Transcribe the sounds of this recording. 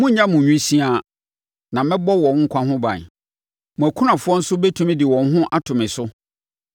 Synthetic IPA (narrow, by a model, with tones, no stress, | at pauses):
mʊ̃˦ɲã˦mũ˨ɲũ˦sĩ˦a˨ | nã˨mɛ̃˦bɔ˦wɔ̃˨˦ŋ̩˦kʷʰã˦ɦʊ̃˦bã̰˨ | mʊ̃˨æ˨kʰu˦nã˨fʊ˦ɔ˦n̩˦sʊ˦be˦tʰũ˦mĩ˦dɪ˨wɔ̃˨n˦ɦʊ̃˦ʔa˦tʰʊ̃˨mɪ̃˨sʊ˦